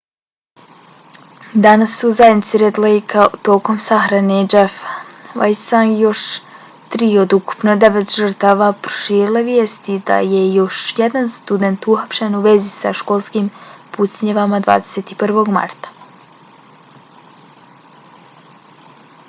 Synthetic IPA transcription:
d̪anasːuzajed̪nit̪siɾet̪lejkʰat̪o̞ːko̞msaxɾane̞d͡ʒefʋa̰jsanjo̞ʃ | t̪ɾiːo̞d̪uku̥pnod̪e̞ʋet̪ʒər̩t̪aːʋapɾo̥ʃiːɾilˠeʋjeːst̪id̪a̰je̞jo̞ʃjed̪anst̪ud̪e̞nt̪uxapʃenuʋe̞zisa̰ʃko̞lˠskiːmput̪sɲeʋamad̪va̰ːd̪eset̪ipr̩ʋo̞ɡma̰ɾt̪ḁ

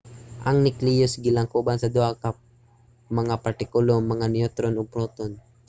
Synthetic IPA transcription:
ʔɐŋnɪklijosɡɪlaŋkubansɐd̪ʊhaka | mɐŋapɐɾt̪ɪkʊloŋmɐŋanɪot̪ɾonopɾoːt̪on

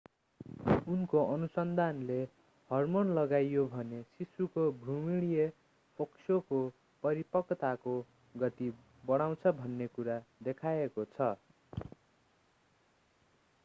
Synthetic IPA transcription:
unkoʔʌnusʌnd̪ʱanle | hʌrmonlʌɡajjobʱʌnesisukobʱrumiɽije | pʌksʰoko | pʌɾipʌkːt̪ako | ɡʌt̪i | bʌɽ̃aw̃t͡sʰʌbʱʌnːekuɾad̪ekʰaekot͡sʰʌ

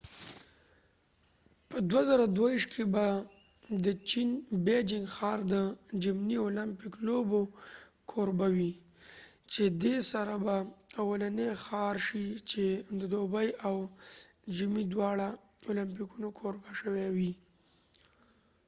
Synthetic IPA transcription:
pəd̪wazaɾad̪wawiʃt̪kʰeba | d̪ət͡ʃinbed͡ʒɪŋɡxɑɾd̪əd͡ʒɪmniolampɪklobo | kʰoɾbawi | t͡ʃed̪esaɾabaawalanexɑɾʃit͡ʃed̪əd̪obəjaw | d͡ʒimid̪wɑɽa | olamp̬ikunokʰoɾbaʃəwewi

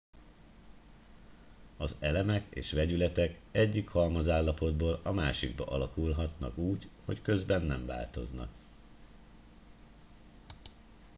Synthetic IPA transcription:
ɒzɛlɛmɛkḛːʃʋɛɟylɛt̪ɛkɛɟːikhɒlmɒzaːlːɒpo̞d̪boːlɒmaːʃiɡbɒ̰ʔɒlɒkulɦɒt̪nɒ̰kuːɟho̞̰ckø̞zbɛnːɛɱva̰ːlt̪o̞znɒ̰k

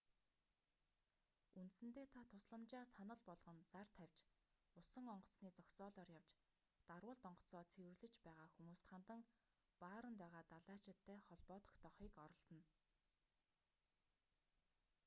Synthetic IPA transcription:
unt̪sɘ̆nt̪eːt̪ʰat̪ʰʊsɮə̆mt͡ɕaːsanə̆ɮpɔɮʁɞ̆nt͡sart̪ʰæw̥ʲt͡ɕ | ʊsə̆ŋɔɴɢɞ̥̆t͡sniːt͡sɔkt͡sɔːɮɔːrjawt͡ɕ | t̪arwə̆ɮt̪ɔɴɢɞ̥̆t͡sɔːt͡sʰewɘ̆rɮɘ̆t͡ɕpæːʁaːxumuːst̪χant̪ə̆ŋ | paːɾə̆nt̪æːʁaːt̪aɮaːt͡ɕɪ̆t̪ʰːæːχɔɮpɔːt̪ɞ̥̆kt̪ʰɔχiːkɔɾɞ̆ɮt̪ə̆n

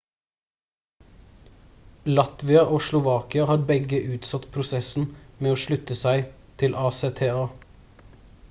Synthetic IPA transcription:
lɑt̪ʋɪɑʔoːʃlʊʋɑːkɪɑhɑːɾbɛɡəʔʉːt̪sɑt̪pʰɾʊsɛsn̩meːoːʃlʉt̪əsæɪ | t̪ʰɪlʔɑːseːt̪ʰeːɑː

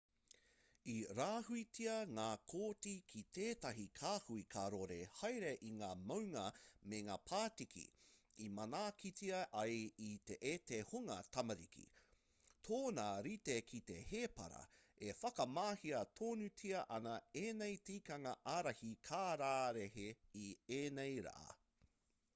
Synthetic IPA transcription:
iɾaːɦuitiɐŋaːkʰoːtikʰit̪ʰeːtɐɦikʰaːhuikʰaɾoɾehɐjɾeʔiŋaːmɐwŋɐmeŋaːpʰaːtikʰḭ | imɐnaːkʰitiɐʔɐjit̪eʔetehuŋɐt̪ʰɐmɐɾikʰḭ | tʰoːnaɾitekʰite̞heːpɐ̰ɾɐ̰ | efɐkɐmaːhiɐtʰoːnʉtʰiɐʔɐnɐeːnejtiːkɐŋɐʔaːɾɐhikʰaːɾaːɾeɦeieːnejɾa̰ʔɐ̰

